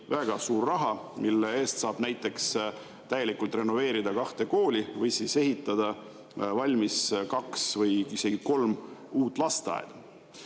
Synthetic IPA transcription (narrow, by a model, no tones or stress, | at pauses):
væɡ̥ɑsuːrːɑɦɑmilːee̞ːst̪sɑːb̥næjt̪ːˑe̞ks | t̪æje̞likult̪ˑre̞no̞ve̞ːɾid̪ɑkɑht̪e̞ko̞ːlʲivɤjsise̞ɦit̪ˑːɑd̪̥ɑ | vɑlʲmiskɑksvɤjise̞ɡ̥iko̞lmuːt̪ːˑlɑst̪ɑ̰ḛd̪̥ɑ